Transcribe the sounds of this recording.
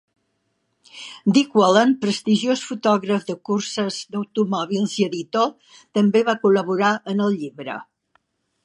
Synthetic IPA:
d̪ikwɔlənpɾəst̪iʒosfut̪ɔɣɾəfðəkursəzd̪əwt̪umɔβilˠziəðit̪o | t̪əmbeβakuləβuɾaʔənəlˠʎiβɾə̰

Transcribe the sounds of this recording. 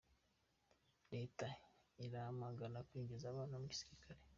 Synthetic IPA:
ɾeːtaiɾahamaɡaɾakwiːɟizaβaːnomuɟi̥si̥ɾikʰaɾe̞

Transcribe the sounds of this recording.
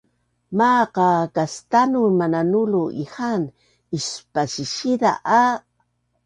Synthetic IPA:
maqɑkast̪anumananuluʔḭhan | ispasiʃid̪a̰ʔa

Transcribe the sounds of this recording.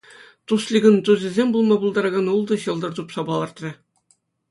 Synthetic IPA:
t̪uslʲiɡʲɤ̆nt̪uzʲɘ̆zʲemʲbulˠmɑbulˠd̪ɑɾɑɡɑnulˠd̪ɤ̆ɕɤ̆lˠd̪ɤ̆rd̪upsɑbɑlˠɑrt̪rʲɤ̆

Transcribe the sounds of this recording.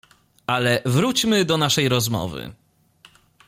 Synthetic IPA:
alɛvɾut͡ɕmɘd̪ɔnaʂɛjɾɔzmɔ̰vɘ̰

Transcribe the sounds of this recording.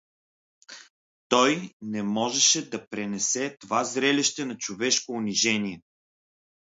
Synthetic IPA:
t̪ɔjnɛmɔʒɛʃɛd̪ɐpɾɛnɛsɛt̪ovazɾɛlʲiʃt̪ɛnɐt͡ʃovɛʃkoʊniʒɛniɛ

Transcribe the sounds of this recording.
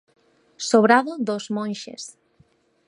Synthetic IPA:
soβɾaðoðozmõnʲʃḛs

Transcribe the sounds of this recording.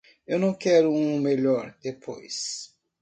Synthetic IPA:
ewnɐ̃w̃kɛɾʊũmeʎɔɾd̪epʰo̰js

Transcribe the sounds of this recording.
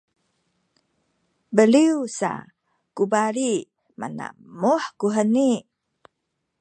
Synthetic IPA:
bəliusa̰ | kubaɾi | ma̰na̰muħkuɦəni

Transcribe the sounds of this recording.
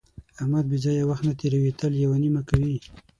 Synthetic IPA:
ahmad̪̚bizɑjawaxt̪nat̪eɾawit̪əljawanimakawi

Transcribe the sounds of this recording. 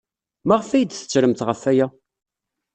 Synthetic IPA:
mæʁəfæjd̪θə̥t͡sːɾəmt̪ʁəfæjæ

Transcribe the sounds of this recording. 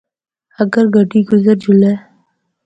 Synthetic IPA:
ɐɡəɾɡʱəʈiːɡʊzəɾd͡ʒʊleː

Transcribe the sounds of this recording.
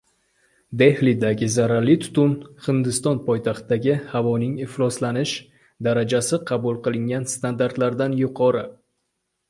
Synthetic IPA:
d̪e̞hlid̪aɡʲɪzaɾaɾlɪt̪ʰʊ̥t̪ʊnhɪnd̪ɪst̪ɒnpʰɒjt̪ʰaχt̪ɪd̪aɡʲɪhavɒnɪŋɪχlˠɒslanɪʃ | d̪aɾad͡ʒasɪqʰɑbʊlˠqɨlˠɪŋʲanst̪and̪aɾt̪laɾd̪anjʊqʰɒɾɨ

